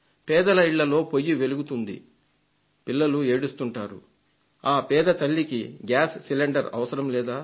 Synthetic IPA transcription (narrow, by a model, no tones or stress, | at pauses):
pɛːd̪ɐlɐiɭːɐlo̞ːpo̞jːiʋe̞luɡut̪und̪ḭ | pilːɐlue̞ːɽust̪uɳʈaːɾṵ | aːpɛːd̪ɐt̪ɐɭːikiɡaːsːileɳɖɐɾɐ̰ʋɐsɐɾɐmlɛːd̪aː